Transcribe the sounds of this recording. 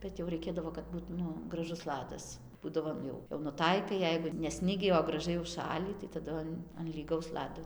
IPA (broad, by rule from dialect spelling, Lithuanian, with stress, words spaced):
ˈbʲɛt jɛʊ rɐɪˈkʲeːdɐʋoː kɐt ˈbuːt ˈnʊ ɡrɐˈʒʊs ˈlˠɑːdɐs ˈbuːdɐʋoː ˈjɛʊ jɛʊ nʊˈtɐɪkɐɪ ˈjɛɪɡʊ nʲɛ ˈsʲnʲɪɡʲiː oː ɡrɐˈʒɐɪ ʊʃˈʃɑːlʲiː tɐɪ tɐˈdʊ ɐn ɐn lʲiːˈɡɐʊs ˈlˠɑːdoː